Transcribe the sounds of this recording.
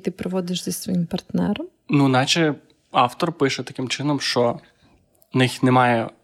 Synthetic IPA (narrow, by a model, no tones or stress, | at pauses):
t̪ɪpɾɪʋɔd̪ɪʃzɐsʲsʋɔjimpɐrt̪nɛɾɐm | nunɑt͡ʃɛ | ɑwt̪ɔrpɪʃɛt̪ɐkɪmt͡ʃɪnɔmʃt͡ʃɔ | nɪxnɛmɑjɛ